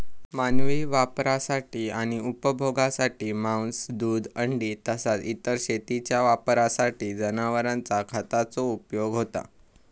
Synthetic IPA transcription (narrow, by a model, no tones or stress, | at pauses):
manʋiʋapɾasaʈiːaɽ̃iupəbʱoɡasaʈiːmawnsd̪uːd̪əɳɖiːt̪əsat͡sit̪əɾɕet̪it͡ɕjaʋapɾasaʈiːd͡zənaʋəɾãnt͡sakʰat̪at͡soupjoɡɦot̪a̰